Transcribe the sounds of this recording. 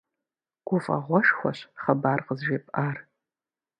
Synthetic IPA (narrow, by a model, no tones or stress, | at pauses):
ɡ̥ʷʊfa̰ʁʷɔʃxʷaɕχabarqʼəzʒipʼar